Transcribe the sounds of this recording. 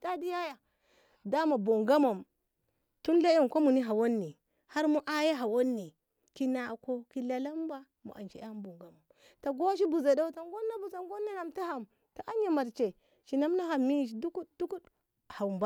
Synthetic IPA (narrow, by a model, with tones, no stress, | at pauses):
d̥a˦di˦ja˦ja˨ | da˦ma˨bo˨ŋɡa˦mo˨m | tu˦nla˦jo˦˨ŋko˦mu˨ni˦ɦa˨wa˦nːi˨ | ha˦ɾmu˦ʔa˦ja˦ɦa˨wo˦nːi˨ | ki˦na˨ko˦ki˦la˦la˦mba˦ | mṵ˨ʔa̰˨nt͡ʃḛ˨˦a˦m˦bo˨ŋɡa˨˦mo˨m | ta˨ɡo˦ʃ̬i˦bu˨za˨da˦wta˨ŋ˦ɡo˦nːa˦bu˨za˨ŋɡo˦nːa˦na˨mta˦ɦa˨m | ta˨ʔa˦ɲa˨ma˨ɾt͡ʃe˨ | ʃi˨na˦mna˦ɦa˨mi˦˨ʃ̬du˦ku˦t̚du˦ku˦d | ha˨mba˦